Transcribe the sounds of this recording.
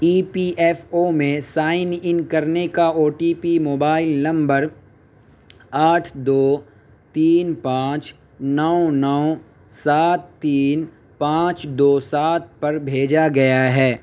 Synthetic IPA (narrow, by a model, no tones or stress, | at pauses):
iːpiʔɛːfomẽsaːɪnɪ̃nkɐɾnekaoːʈiːpimoːbaːɪlnɐ̃mbəɾ | aːʈʰd̪oː | t̪iːnpãːt͡ʃ | nɔonɔː | saːt̪ːiːn | pãːt͡ʃd̪oːsaːt̪̚pɐɾbʱeːd͡ʒaɡɐjaɦɛː